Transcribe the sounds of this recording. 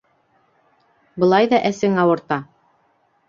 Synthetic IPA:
bɤ̆lˠɑjðɑʔæsɘŋɑwɤ̆ɾt̪ɑ

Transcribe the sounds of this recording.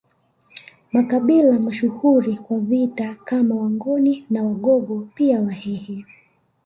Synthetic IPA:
makaɓilamaʃuhuɾikwavitakamawaŋɡɔninawaɠɔɡɔpiawahɛhɛ

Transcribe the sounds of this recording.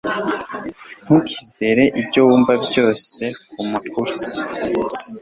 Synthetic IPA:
ŋ̥ukize̞ɾe̞ʔibjowuːɱvabjo̞ːse̞kumakuɾu

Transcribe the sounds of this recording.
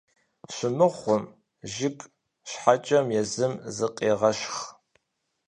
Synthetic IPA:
ɕʷɪmɨχʷʊm | ʒɪkʼ | ɕħat͡ʃʼɐmjɛzɨmzɨqʼeːʁɐʃχ

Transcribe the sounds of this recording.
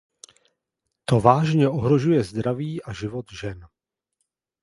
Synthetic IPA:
t̪o̞vaːʒɲɛʔoɦɾo̞ʒujɛzd̪ɾaviːʔaʒɪvo̞t̪ʒɛn

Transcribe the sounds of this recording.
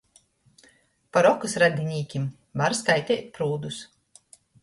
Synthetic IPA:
paɾɔkusɾad̪ʲinʲiːkʲim | vaɾskajt̪ʲɛːt̪̚ʲpɾuːd̪us

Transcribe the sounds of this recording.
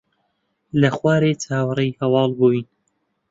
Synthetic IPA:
lɐxwaːɾeːt͡ʃʰaːwrejhɐwɑːlˠbuːin

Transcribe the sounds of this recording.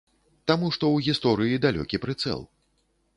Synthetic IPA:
t̪amuʂt̪ɔwɣʲist̪ɔɾɨjid̪alʲɔ̰kʲipɾɨt̪sɛ̰lˠ

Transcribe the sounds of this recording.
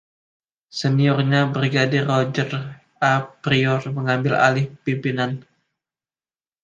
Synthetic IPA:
səniɔrɲabɾiɡadɪrod͡ʒər | apɾiɔrməŋambɪla̰lɪhpimpinan

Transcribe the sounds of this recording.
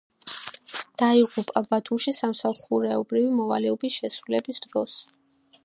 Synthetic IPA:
d̪̥aiʁupʼabat̪ʰumʃisamsalˠχuɾɛɔbɾivimɔvalɛɔbisʃɛsɾulɛbisd̪̥ɾɔs

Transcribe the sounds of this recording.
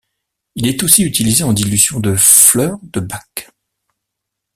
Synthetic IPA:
ilɛt̪osiyt̪ilizeɑ̃d̪ilyzjɔ̃d̪əflœːʁd̪əbak

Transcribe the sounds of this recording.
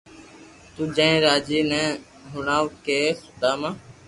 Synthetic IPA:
t̪ũːd͡ʒə̃ːɾaːd͡ʒiːnɛ̃ː | ɦʊɳãːwkeːxʊt̪aːmãː

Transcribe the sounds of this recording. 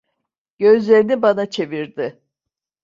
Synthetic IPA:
ɟ̥ø̞zlʲe̞ɾinibanat͡ʃʰe̞viɾd̪ɪ

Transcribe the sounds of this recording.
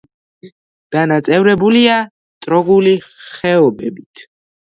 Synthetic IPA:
ɡ̪̥anat̪sʼɛvɾɛbulia | t̪ʼɾɔɡuliχɛɔbɛbit̪ʰ

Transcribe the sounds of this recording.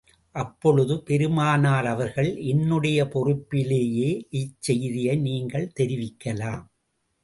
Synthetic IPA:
ʔɐpːɔɻɯðɯpɛɾɯmaːnaːɾɐʋɐɾɣɐɭʔɛnːɯɽɐjɐpɔrɯpːɪleːjeːʔɪt͡ʃsɛjðɪjɐɪniːŋɡɐɭt̪ɛɾɪʋɪkːɐlaːm

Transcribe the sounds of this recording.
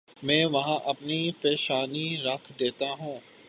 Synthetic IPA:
mɛ̃ːʋɐɦãʔɐpnipeːʃaːniɾɐkʰd̪eːt̪aɦũː

